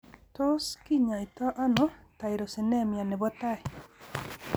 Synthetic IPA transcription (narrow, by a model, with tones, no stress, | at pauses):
to˦ski˦ɲa˨i˨tɔ˦ʔa˦nɔ˦ta˨i˨ɾo˨sɪ˨nɛ˦mja˨nɛ˨bɔ˦ta˦˨ɪ˨